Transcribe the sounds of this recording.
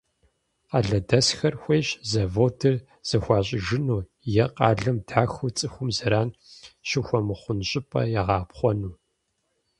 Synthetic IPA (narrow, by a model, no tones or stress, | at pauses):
qɐɮɐdɐsxɐrxʷeːɕzɐvoːtʰɨr | z̥ɐxʷɑːɕ̬ʼɪʒɪnuː | jɛqɑːɮɐmdʰaːxut͡sʼɨxʷʊmzɐɾaːnɕɪxʷɔmɨχʷʊnɕʼɪpʰʼɐ̰jɛʁɑːpχʷɔnuː